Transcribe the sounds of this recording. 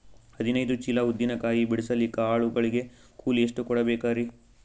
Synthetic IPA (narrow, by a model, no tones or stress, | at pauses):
hɐd̪inɐjd̪ut͡ʃilɐud̪ːinɐkaːjibiɽisɐlikɐaːɭuɡɐɭiɡe̞ | kuːlieʂʈukɔɽɐbeːkaːɾi